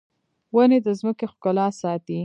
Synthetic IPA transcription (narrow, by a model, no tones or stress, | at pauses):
waned̪əzməkexkalɑsɑt̪i